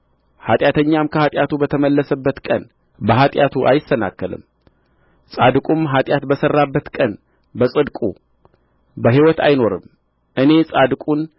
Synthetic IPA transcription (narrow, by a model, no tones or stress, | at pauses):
hat̪ʼjat̪ʰəɲːamkʰəhat̪ʼjat̪ubət̪ʰəməlːəsəbːət̪kʼən | bəɦat̪ʼjat̪ʰuʔa̰jɪsəna̰kːəlɨ̰m | sʼad̪kʼumɦat̪ʼjat̪bəsərːabːət̪kʼən | bəsʼɨd̪kʼṵ | bəɦiwɔt̪ʰa̰jno̞ɾɨ̰m | ʔɨne̞sʼad̪kʼun